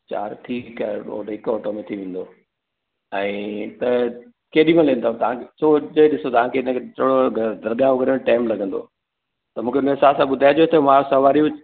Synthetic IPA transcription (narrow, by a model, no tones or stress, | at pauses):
t͡ɕa̰ːɾʈʰiːkao̰ːʈɦɪkɔːʈomẽt̪ʰiʋẽːn̆d̪o | ɛ̃ːt̪ɐ | keːɗĩmẽlẽːnd̪at̪ɐʋãkesod͡ʑɐɗɪsot̪ɐʋãkʰeɪnə̃kʰet̪ʰoːɽoɡd̪ɐɾɡijãːʋʊɡɐɾemẽʈaːɪmlɐɡʱə̃nd̪o̰ | t̪ɐmũːkʰeɪnə̃ɦɪsaːsãɓʊd̪ʱaːed͡ʑot̪ʰemãːsɐʋaːɾiʊ